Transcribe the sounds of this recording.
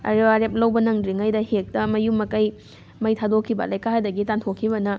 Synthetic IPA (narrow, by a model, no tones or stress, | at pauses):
ɐ̰ɾiwaɾep̚lɐwbɐnɐŋdɾiŋɐjdɐhek̚tɐmɐjumːɐkɐj | mɐjtʰadokʰibɐ̰lɐjkahadɐɡitantʰokʰːibɐnɐ